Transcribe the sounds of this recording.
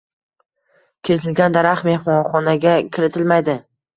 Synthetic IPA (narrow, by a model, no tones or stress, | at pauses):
kʲʰe̞zɪlɡʲand̪aɾaχme̞hmɒχɒnaɡʲakʲʰɪɾɪt̪ʰɪlmajd̪ɪ